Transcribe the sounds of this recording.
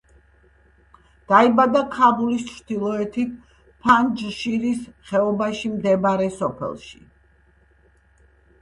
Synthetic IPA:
d̪̥aibad̪akʰabulist͡ʃʰɾd̪̥ilˠɔɛt̪ʰi | pʰand͡ʒʃiɾisχɛɔbaʃimd̪ɛbɾɛsɔpʰɛ̰lˠʃḭ

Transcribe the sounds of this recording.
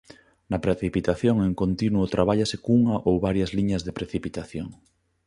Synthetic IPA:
nɐpɾeθipit̪aθjoŋeŋkont̪inuot̪ɾaβ̞aʎasekuŋɐʔowβaɾjɐzliɲɐzðepɾeθipit̪aθjoŋ

